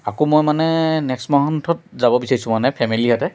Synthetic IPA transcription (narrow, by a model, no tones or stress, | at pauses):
akomojmanɛnɛkstmaɦɔntʰɔt̚zabɔbisaɹisʊ̃manɛpʰɛmiliɦatɛ